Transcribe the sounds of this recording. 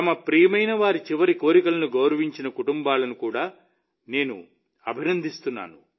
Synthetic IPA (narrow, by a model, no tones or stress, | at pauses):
t̪ɐmɐpɾiːjɐmɐjnɐʋaːɾit͡ʃiʋɐɾiko̞ːɾikɐlɐnuɡɐwɾɐʋiɲt͡ʃinɐkuʈumbaːlɐnukuːɽaː | ne̞ːnṵ | ɐbʱinɐnd̪ʱist̪unːa̰ːnu